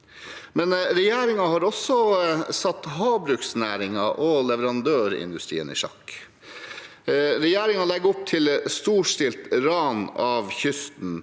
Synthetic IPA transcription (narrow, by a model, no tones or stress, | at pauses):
mɛnɾɛjæːɾɪŋɑhɑɾɔsɔsɑt̪ːɦɑːbɾʉksnæːɾɪŋɑʔɔlɛʋəɾɑnd̪øːɾɪ̰nd̪ʉst̪ɾḭːənḭːʂɑ̰kː | ɾɛjæːɾɪŋɑlɛɡːʊp̚t̪ʰɪlst̪uːʂʈɪlt̪ɾɑːnɑːʋçʏst̪n̩